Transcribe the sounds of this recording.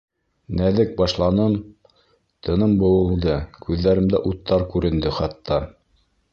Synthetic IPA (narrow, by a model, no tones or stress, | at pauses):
næðɘk̚bɑʃlˠɑnɤm | t̪ʰɤ̆nɤmbŏwɤ̆lˠd̪ɤkʉðːæɾɘmd̪æ̰ʔut̪ːɑɾkʉɾɘ̆nd̪ɘχɑt̪ːɑ